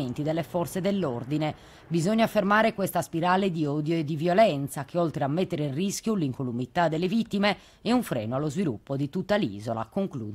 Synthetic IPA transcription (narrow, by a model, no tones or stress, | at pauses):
ent̪id̪ɛlːɛfɔɾt̪sɛd̪ɛlːord̪inɛ | bizɔɲːafɛrmaːɾɛkwɛst̪aspiɾaːled̪iɔd̪joɛd̪ːivjɔlɛnt̪sakeɔlt̪ɾeamːɛt̪ːɛɾeinrisk̟juliŋkolumit̪ad̪ːɛlːevit̪ːimɛ | ɛuɱfɾɛ̰ːnoalɔzvilṵpːod̪it̪ut̪ːalḭːzɔla̰koŋkluː